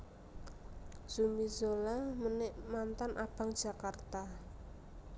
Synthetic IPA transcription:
sumizolamənɪʔmant̪anʔab̥ä̤ŋd̥ʒ̥a̤kart̪a

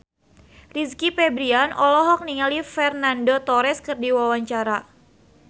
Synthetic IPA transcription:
riskipɛbɾianʔɔlɔɦɔk̚niŋalifɛrnandot̪ɔɾɛskɨrdiwawaɲt͡ʃaɾa

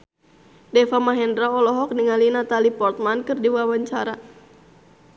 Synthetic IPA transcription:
dɛfamaɦɛndɾaɔlɔɦɔk̚niŋalinat̪alipɔrt̪̚mankɨrdiwawaɲt͡ʃaɾa

